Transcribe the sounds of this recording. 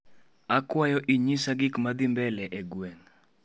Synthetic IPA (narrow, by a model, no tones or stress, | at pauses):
akwajɔʔiɲisaɡikmad̪imbɛlɛʔeɡwen